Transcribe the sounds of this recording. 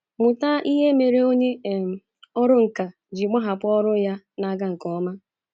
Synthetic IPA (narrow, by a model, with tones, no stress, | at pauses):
mʊ˨ta˦ʔi˦ɦe˦me˨ɾe˦o˦ɲe˦˨ | ɔ˦ɾʊ˦ŋ̩˨ka˨ | d͡ʒi˨ma˦ɦa˨pʊ˦ɔ˦ɾʊ˦ja˦ | na˨˦ɡa˦ŋ̩˨kɔ˨˦ma˦